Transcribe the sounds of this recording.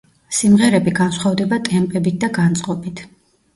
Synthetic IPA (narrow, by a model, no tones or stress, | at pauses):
simʁɛɾɛbiɡansχwavd̪ɛbat̪ʼɛmpʼɛbit̪̚d̪aɡant̪sʼqʼɔbit̪ʰ